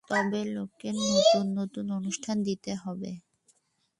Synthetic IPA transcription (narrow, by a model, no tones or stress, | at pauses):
t̪ɔbelokenot̪unːot̪unonuʃʈʰand̪it̪eɦɔbḛ